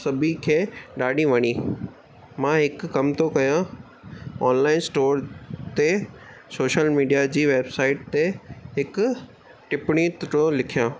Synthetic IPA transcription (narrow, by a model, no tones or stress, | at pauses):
sɐbʱikʰeːɗaːɗĩʋɐɲi | mãɦɪkʊkːɐmt̪okɐjã | ɔːnlaːɪnsʈoːɾt̪e | soːʃəlmiːɖijad͡ʑiːʋeːbsaːɪʈ̚t̪eɦɪkʊ | ʈɪpɪɽ̃it̪ʈõlɪkʰijãː